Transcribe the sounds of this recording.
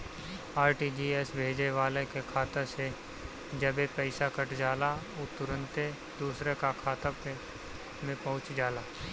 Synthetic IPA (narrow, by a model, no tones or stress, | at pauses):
aːɾʈid͡ʒiːɛsbʱeːd͡ʒeʋaːlekekʰaːt̪ase | d͡ʒəbepɛɪsakɐʈd͡ʒaːla | ut̪ʊɾə̃nt̪e | d̪uːsɾekakʰaːt̪ap | mẽpɐɦʊ̃t͡ʃd͡ʒaːlaː